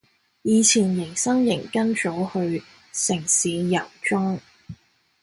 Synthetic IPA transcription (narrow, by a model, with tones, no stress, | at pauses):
jiː˨˧t͡sʰiː˨˩njɪ˨˩ŋsɐ˥ŋjɪ˨˩ŋkɐ˥nt͡so˨˥whɵ˧ɥ | sɪ˨˩ŋsiː˨˧jɐ˨˩wt͡ʃʊ˥ŋ